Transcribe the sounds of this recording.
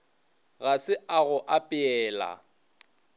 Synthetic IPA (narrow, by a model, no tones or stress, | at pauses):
ɣasɪaɣʊʔapʼɪɛːla̰